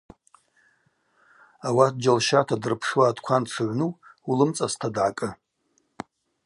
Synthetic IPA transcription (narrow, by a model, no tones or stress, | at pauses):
awat̚d͡ʒalʃatʰadɨrpʰʂwaːdkʷʰanʈ͡ʂʰɨʕʷnuulɨmt͡sʼastʰadʕakʼɨ